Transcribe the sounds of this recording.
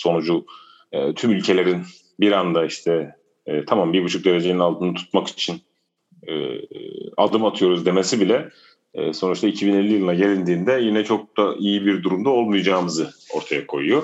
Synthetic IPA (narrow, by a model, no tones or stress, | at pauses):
so̞nud͡ʒu | ɛt̪ʰymylʲcʰe̞lʲe̞ɾin | biɾand̪aiʃt̪ʰɛː | t̪ʰamambiɾbut͡ʃʰuk̚d̪e̞ɾe̞d͡ʒeninalˠt̪ɯnɯt̪ʰu̥t̪maki̥t͡ʃʰin | ɛ̰ | a̰d̪ɯmat̪ʰɯjo̞ɾuzd̪e̞me̞sibilʲɛ̰ː | so̞nut͡ʃt̪ʰaicʰibinelʲːijɯlˠɯnaɟe̞lʲind̪iːnd̪ɛjinɛt͡ʃʰo̞k̚d̪aʔijibiɾd̪uɾumd̪ao̞lˠmujd͡ʒaːmɯzɯo̞ɾt̪ʰajakʰo̞̰jujo̞